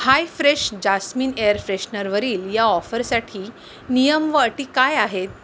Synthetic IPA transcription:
hajfɾeɕd͡ʑasmiːnejəɾfɾeɕnəɾʋəɾiːljaɔfəɾsaʈʰiː | nijəmʋəːʈiːkajaɦet̪̚

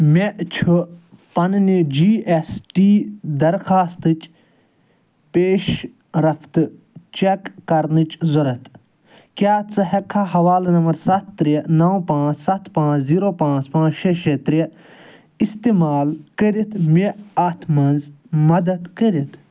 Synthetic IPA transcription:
mʲeʔt͡ʃʰupɐnnid͡ʒiːesʈiːd̪ɐɾxaːst̪ɨt͡ʃ | peːʃ | ɾɐft̪ɨ | t͡ʃekːɐɾnɨt͡ʃzɐɾɐt̪ʰ | kʲaːt͡sɨɦɛkʰːaɦɐʋaːlnɐmɐɾsɐt̪ːɾijenɐwpãːt͡ssɐt̪ʰpãːt͡ʃʰziːɾoːpãːt͡spãːt͡ʃʃeʃet̪ɾie | ist̪eːmaːlkəɾit̪ʰmeɐt̪ʰmɐnzmɐd̪ɐd̪kəɾit̪ʰ

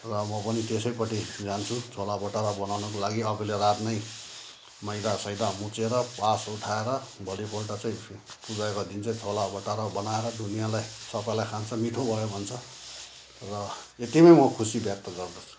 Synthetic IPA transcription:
rʌmʌpʌnit̪esʌjpʌʈid͡zant͡sʰut͡sʰolabʌʈaɾʌbʌnawnʌkolaɡiʌbulerat̪nʌj | mʌjd̪asʌjd̪amut͡seɾʌpasuʈʰaeɾʌbʱʌlipolʈat͡saĩpud͡zaekod̪int͡saĩt͡sʰolabʌʈaɾʌbʌnaeɾʌd̪unijalajsʌpailajkʰant͡sʰʌmiʈʰobʱʌjobʱʌnt͡sʰʌ | rʌ | et̪imʌjmʌkʰusibjʌk̚t̪ʌɡʌrd̪ʌt͡sʰu̥

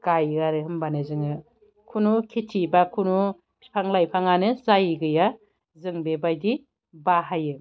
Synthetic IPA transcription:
ɡ̥ajaɾɯɦɯmbanɯzɯŋɯ | kʰunukʰitʰibakʰunu | pʰaŋlajpʰaŋanɯzajɡɯja | zɯŋbebajdi | baɦajɯ

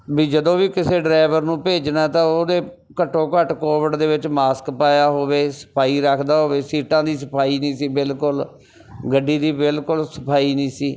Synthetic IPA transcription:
biːd͡ʒəd̪õːʋiːkɪseːɖɾaːɪʋəɾnũːpeːd͡ʒnaːt̪ãːoːd̪eː | kəʈʰːõːkəʈkoːʋəɖd̪eːʋɪt͡ʃmaːskpaːjaːɦoːʋeːsə̥pʰaːiːɾəkʰd̪aːɦoːʋeːsiːʈãːd̪iːs̬əpʰaːiːnĩːsiːbɪlkʊl | ɡəɖːiːd̪iːbɪlkʊlsə̥pʰaːiːnĩːsiː

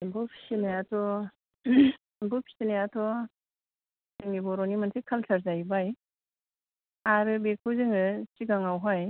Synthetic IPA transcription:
bɯpʰi̥sinajatʰɔ | bɯpʰi̥sinajatʰɔ | seŋibɔɾɔnimansʰekʰalsaɾzajbaj | aɾɯbekʰuzɯŋɯsiɡaŋawɦaj

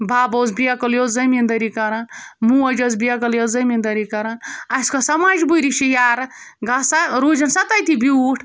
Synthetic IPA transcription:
baːbɐzbijakɐljozɐmind̪ɐɾikɐɾanmũːɐd͡ʒɐzbijak̬ɐljozɐmind̪ɐɾikɐɾɐnɐskɐsɐmaːd͡ʒbuɾiʃijaːɾɡasaɾuːd͡ʒɐnsɐt̪ɐjt̪ibiuʈʰ

